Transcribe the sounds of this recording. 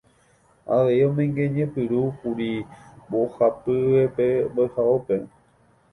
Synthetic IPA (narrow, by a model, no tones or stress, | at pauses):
a̰ʋe̞iõ̞mẽ̞ŋɡẽ̞ɲẽ̞pɨɾupuɾibohapɨʋepeboehaope̞